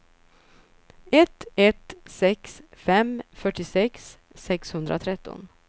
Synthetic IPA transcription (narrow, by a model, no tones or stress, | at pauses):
ɛt̪ɛt̪sɛksfɛmfœʈːɪsɛksː | ɛkshɵnd̪ɾa̰t̪ʰɾɛt̪ːɔ̰n